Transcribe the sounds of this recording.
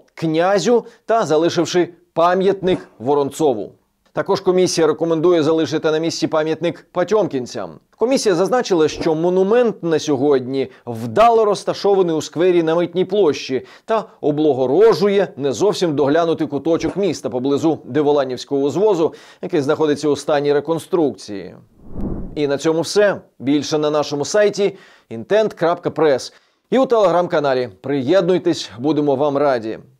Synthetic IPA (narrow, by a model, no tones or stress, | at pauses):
knʲazʲʊt̪ɐzɐlˠɪʃɪwʂɪ | pɑmʲjɐt̪nɪkʋɔɾɔnt̪sɔʋʊ̰ | t̪ɐkɔʒkɔmʲisʲijɐɾekɔmend̪ujɛzɐlˠɪʃ̬ɪt̪ɪnɐmʲisʲt͡sʲipɑmʲjɐt̪nɪkpɐtʲɔmkʲinʲt͡sʲa̰mkɔmʲisʲijɐzɐznɑt͡ʃɪlˠɐʃt͡ʃɔmɔnʊmɛnt̪nɐsʲɔɦɔdʲnʲiwd̪ɑlˠɔɾɔst̪ɐʃɔʋɐnɪjuskʋɛɾʲinɐmɪtʲnʲijplˠɔʃt͡ʃi | t̪ɐɔblˠɔɦɔɾɔʒʊjɛnɛzɔwsʲimd̪ɔɦlʲanʊt̪ɪkʊt̪ɔt͡ʃɔkmʲist̪ɐpɔblˠɪzud̪eʋɔlˠɑnʲiwsʲkɔɦɔzʋɔzʊ | jɐkɪjznɐxɔd̪ɪt͡sʲːɐʊst̪ɑnʲːiɾe̞kɔnst̪ɾuk̚t͡sʲḭjḭ | inɐt͡sʲɔmʊwsɛbʲilʲʃɛnɐnɑʃɔmʊsɑjtʲi | int̪ɛnt̪kɾapkɐpɾɛs | iwt̪elˠeɦɾamkɐnɑlʲipɾɪjɛd̪nʊjt̪esʲbud̪emɔʋɑmrɑdʲḭ